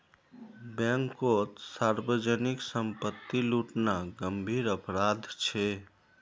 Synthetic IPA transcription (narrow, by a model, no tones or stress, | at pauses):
bɛ̃ŋkot̪saɾbəd͡ʒəniksəmpət̪ːiluʈnaɡəmbʱiɾəpɾad̪ʱt͡ʃʰɛ